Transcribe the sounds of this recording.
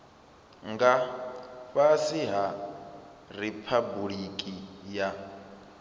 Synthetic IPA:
ŋɡa | βasiɦa | ripʰabuɺikʼija

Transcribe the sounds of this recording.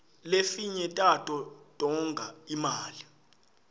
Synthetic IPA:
lefiɲɛtʼatʼɔd̥ʱʼɔŋɡʱaimaːli

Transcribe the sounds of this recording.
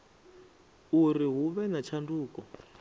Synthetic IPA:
uɾiɦuβɛnat͡ʃʰanduːkɔ

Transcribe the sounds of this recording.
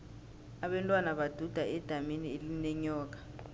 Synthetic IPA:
aɓɛntʼwanaɓad̥ʱud̥ʱaɛd̥ʱaminielinɛɲɔːk̬ḁ

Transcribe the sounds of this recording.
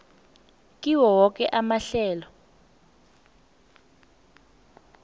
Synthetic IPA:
k̬ʼiwɔwɔk̬ʼɛʔamaɬɛːlɔ

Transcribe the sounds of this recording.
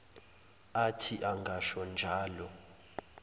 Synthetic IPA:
atʰiʔaŋɡʱaʃɔnd͡ʒʱaːlɔ

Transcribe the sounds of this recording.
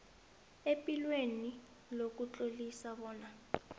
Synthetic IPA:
epʼilweni | lok̬ut͡ɬʼolisaβɔːna

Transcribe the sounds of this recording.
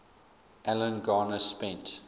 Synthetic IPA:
ʔælə̃nɡɑːnəspɛ̃nt

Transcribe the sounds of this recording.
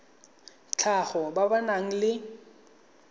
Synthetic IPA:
t͡ɬʰaχɔbabanaŋ̩lɪ

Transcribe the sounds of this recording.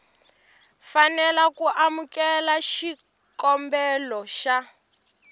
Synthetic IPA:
fanɛlakuʔamukɛlaʃi | kɔmbɛlɔʃa

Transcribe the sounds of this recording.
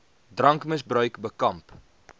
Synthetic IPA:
drɐŋkməsbrœɥkbəkɐmp

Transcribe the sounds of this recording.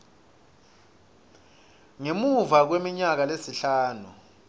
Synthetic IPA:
ŋemuvak̬wemiɲak̬alesiɬaːnu

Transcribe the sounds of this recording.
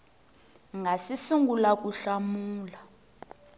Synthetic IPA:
ŋɡʱasisuŋɡulak̬uɬamuːla

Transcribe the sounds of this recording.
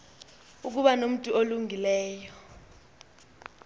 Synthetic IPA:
uk̬uɓanom̩tʼuoluŋilɛːjɔ

